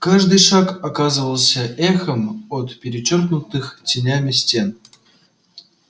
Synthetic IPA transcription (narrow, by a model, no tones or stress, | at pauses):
kaʐd̪ɨjʂakakazɨvəlˠsʲəʔɛxəmot̪pʲeɾʲɪt͡ɕorknut̪ɨxtʲɪnʲamʲɪsʲtʲen